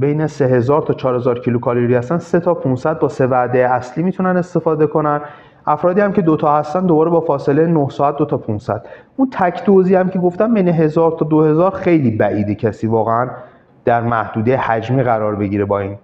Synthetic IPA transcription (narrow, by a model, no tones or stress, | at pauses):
bejneseɦe̞zɒːɾt̪ʰɒːt͡ʃʰɒːɾhe̞zɒːɾcʰilukʰɒloɾihæst̪ænse̞t̪ʰɒːpʰunsæd̪̚bɒːse̞væd̪ejeæsliːmiːt̪ʰunæne̞st̪e̞fɒːd̪e̞kʰo̞næn | ʔæfɾɒːd̪iːhæmcʰe̞d̪ot̪ʰɒːhæst̪ænd̪obɒːɾe̞bɒːfɒːse̞lejnohsɒːæt̪̚d̪o̞t̪ʰɒpʰunsæd̪̥ʔunt̪ʰæcʰd̪oziːæmcʰe̞ɡo̞ft̪æmbe̞jneɦe̞zɒːɾt̪ʰɒːd̪ohe̞zɒːɾxe̞jliːbæʔiːd̪ecʰæsiːvɒːɣeæn | d̪̥æɾmæhd̪uːd̪ejehæd͡ʒmiːɣæɾɒːɾbe̞ɟiːɾebɒːiːn